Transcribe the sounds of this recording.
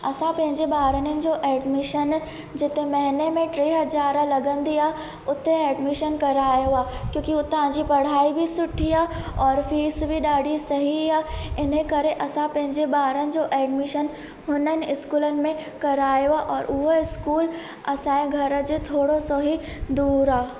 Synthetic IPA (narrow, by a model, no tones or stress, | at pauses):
ɐsãpɐ̃ɦɪ̃ɲd͡ʑeɓaːɾənənɪ̆d͡ʑoʔɛːɖmɪʃən | d͡ʑɪt̪emɐɦɪnemẽʈɾeːɦɐzaːɾəlɐɡə̃nd̪iaː | ʊt̪eɛːɖmɪʃənkɐɾaːjoaːkjõːkiʊt̪ãd͡ʑipɐɽ̤aːibʱisʊʈʰiaːɔːɾfiːsbʱiɗaːɽʱisɐɦiaːɪn̤əkɐɾeʔɐsãpɐ̃ɦɪ̃ɲd͡ʑeɓaːɾənɪ̆d͡ʑoʔɛːɖmɪʃən | ɦʊnənɪ̆ɪskuːlənɪ̆mẽkɐɾaːjoaʔɔːɾʊɦoɪskuːl | ɐsãːẽɡʱɐɾə̆d͡ʑet̪ʰoːɽosoɦi | d̪uːɾaː